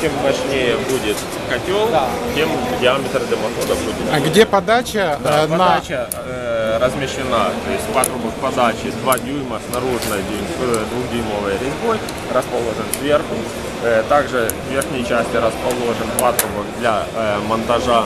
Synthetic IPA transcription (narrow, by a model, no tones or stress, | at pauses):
t͡ɕʲemːɐʂnʲejəbudʲɪt̪ | kɐtʲolˠt̪ʲemʊdʲɪamʲɪt̪ɾɐd̪lʲɐmɐt̪od̪ɐbudʲɪt̪ɡdʲepɐd̪at͡ɕɐd̪pɐd̪at͡ɕɐ | ɾəzmʲɪʂɪnat̪o̞jɪsʲtʲpat̪ɾʊbəkpɐd̪at͡ɕɪd̪vadʲujmɐsnɐɾuʐnɨjdʲu | d̪vuxdʲujmovəjɾʲɪboj | rəspɐlˠo̞ʐɨnsʲvʲerxʊ | t̪aɡʐɨ | vʲe̞rxnʲəjt͡ɕæsʲtʲɪɾəspɐlˠo̞ʐɨnpat̪ɾʊbɐkd̪lʲɐmɐnt̪ɐʐa